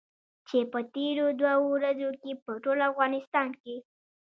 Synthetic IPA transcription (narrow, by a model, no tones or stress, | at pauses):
t͡ʃepət̪eɾod̪waoɾazokepəʈolafɣɑnɪst̪ɑnke